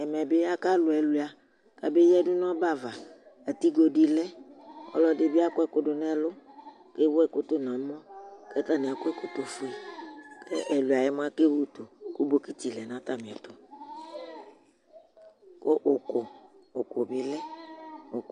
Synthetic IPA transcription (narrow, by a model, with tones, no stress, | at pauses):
ɛ˨mɛ˨bɪ˦a˦ka˦lʊ˨ɛ˨lu˨a˨ | ka˦be˦jɛ˦dʊ˦nɔ̃˦ba˦˨va˨ | a˨t̪i˦ɡo˨di˦lɛ˦ɔ̰˦lɔ˦dɪ˨bɪ˦a˦kʊ˦ɛ˨kʊ˦dʊ˨nɛ˦lʊ˦ | ke˦wo˦ɛ˨kʊ˦t̪ʊ˦nã˨˦mɔ̃˦kɛ˦t̪a˦ni˨a˨kʊ˦ɛ˦kʊ˦t̪o˨fu˨e˨kɛ˦ʔɛ˨lu˨a˨jɛ˦m˦a˦ke˦wo˦t̪o˨ku˦bo˨ki˦t̪i˨lɛ˨nã˨˦t̪a˦mĩ˨ɛ˨t̪ʊ˨ | ko˦ʔʊ˨kʊ˨ʊ˨kʊ˨bɪ˨lɛ˦o˨